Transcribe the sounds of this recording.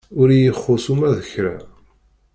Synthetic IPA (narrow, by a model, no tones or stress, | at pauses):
ʊɾijəχːʊsumæðəçɾa̰